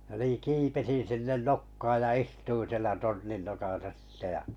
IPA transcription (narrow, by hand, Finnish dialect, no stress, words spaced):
j̆ɑ̆ niː kipesin̞ sinːen nokːɑːj jɑ istuin̞ sielæ tornin nokɑsɑ sĭtːe jɑ